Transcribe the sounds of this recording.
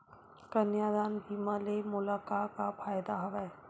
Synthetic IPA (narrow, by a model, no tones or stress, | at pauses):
kɐnjaːd̪aːnbʱiːmalemʊlaːkaːkapʰaːjd̪aɦɐʋɛː